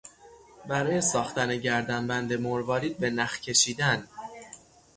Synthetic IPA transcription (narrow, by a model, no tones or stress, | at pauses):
bæɾɒːje̞sɒːxt̪æneɟæɾd̪æmbænd̪e̞moɾvɒːɾiːd̪̚be̞næxcʰe̞ʃiːd̪æn